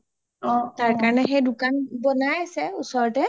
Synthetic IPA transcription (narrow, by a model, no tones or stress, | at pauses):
ɔ̃taɹkaɹɔnɛxejdʊkanbɔnajasɛusɔɹɔtɛ